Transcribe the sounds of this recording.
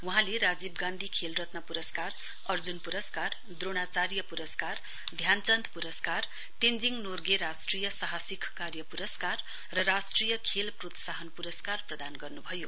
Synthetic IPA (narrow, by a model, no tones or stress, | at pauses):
wuɦãleɾad͡zibɡãnd̪ʱikʰelrʌt̪nʌpuɾʌskar | ʌrd͡zunpuɾʌskar | d̪roɽ̃at͡saɾjʌpuɾʌskar | d̪ʱjant͡sʌnd̪puɾʌskar | t̪end͡ziŋnorɡeɾasʈrijʌsaɦasikkarjʌpuɾʌskar | rʌrasʈrijʌkʰelprot̪saɦʌnpuɾʌskarprʌd̪anɡʌrnubʱʌjo